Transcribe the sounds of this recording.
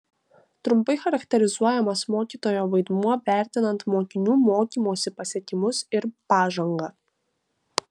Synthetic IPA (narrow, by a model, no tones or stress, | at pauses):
t̪ɾʊmpɐɪxɐɾɐkt̪ʲɛɾʲɪzuɔjɛmɐsmoːkʲiːt̪oːjoːʋɐɪd̪muɔʋʲæˑɾʲt̪ʲɪnɐnt̪moːkʲɪnʲuːmoːkʲiːmoːsʲɪpɐsʲɛkʲɪmʊsɪɾpɑːʒɐŋɡɐ